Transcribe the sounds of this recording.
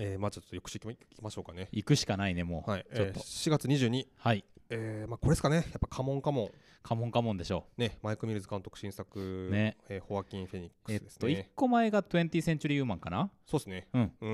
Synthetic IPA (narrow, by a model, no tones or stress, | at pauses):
eːmaːt͡ɕot̪t̪ːojokɯ̟̥ɕikʲimaɕo̞ːkane̞ikɯ̟ɕi̥kanaine̞mo̞̰ːhaioːɕiɡat͡sɨɲ̟iʑɨːɲ̟ihaieːmaːko̞ɾeesɨ̥kane̞japːakʰamõ̞ŋkamõ̞ŋ | kʰamõ̞ŋkamõnd̪e̞ɕo̞ːne̞maikɯ̟mʲiɾɯ̟zɨkãnt̪okɯ̟̥ɕĩɰ̃sakɯ̟neeːho̞βakʲĩɰ̃ɸeɲ̟ikːɯesɨd̪esɨ̥nikːo̞mae̞ɡat̪oẽ̞nt̪ʲisẽ̞ɲ̟t͡ɕɨɾʲijɯ̟ːmãŋkanasoːesɨne̞ɯ̟̃ɴɯ̟̃